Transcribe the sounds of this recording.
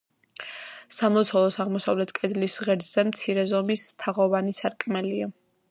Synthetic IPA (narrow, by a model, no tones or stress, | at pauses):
samlˠɔt̪sʰɔlˠɔsaʁmɔsavlɛt̪ʰkʼɛd̪lisʁɛɾd̪z̥ɛmt̪sʰiɾɛzɔmist̪ʰaʁɔvanisaɾkʼmɛlia